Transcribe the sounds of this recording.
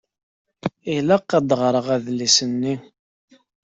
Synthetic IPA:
ilæqːɑd̪ʁɾˤəʁæðlisənːi

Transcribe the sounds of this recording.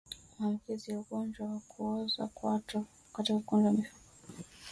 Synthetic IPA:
mam̩kizijauɡɔnd͡ʒwawakʰuɔzwa̰kwatɔ | katikaukɔndawamifu

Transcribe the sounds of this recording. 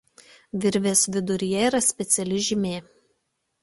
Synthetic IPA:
ʋʲɪɾʲʋʲeːsʋʲɪd̪ʊɾʲɪjɛiːˑɾɐsʲpʲɛt̪sʲɛlʲɪʒʲɪmʲeː

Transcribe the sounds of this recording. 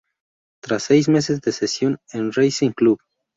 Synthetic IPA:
t̪ɾasːejzmes̬ezd̪esesjonenrejsiŋklub

